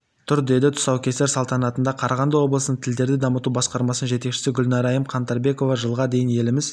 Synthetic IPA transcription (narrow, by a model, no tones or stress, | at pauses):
t̪ʰʊɾd̪e̞d̪ɪt̪ʰʊ̥sɑwkʲest̪esɑlˠt̪ɑnɑt̪ənd̪ɑqʰɑɾɑʁɑnd̪əwo̞blˠəsənəɴt̪ʰɪld̪e̞ɾd̪ɪd̪ɑmət̪ubɑsqɑɾmɑsənʒe̞t̪e̞kʃɪ̥sɪɡʲʊlnɑɾɑjəmqʰɑnt̪ɑɾbe̞ko̞vɑʒəlˠʁɑd̪e̞jɪnje̞lɪmɪz